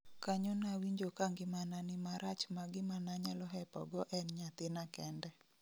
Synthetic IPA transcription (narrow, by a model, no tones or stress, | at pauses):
kaɲonawiɲd͡ʒokaŋɡɪmananɪmaɾat͡ʃmaɡɪmanaɲalɔɦɛpɔ̰ɡɔʔɛnɲat̪ɪnakɛndɛ